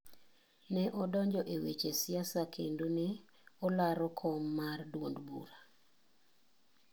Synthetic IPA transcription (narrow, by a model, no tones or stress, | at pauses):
nɛʔɔdɔɲd͡ʒɔʔewet͡ʃesjasakʰendonɪ | ɔlaɾɔkʰɔmːardwondbṵɾa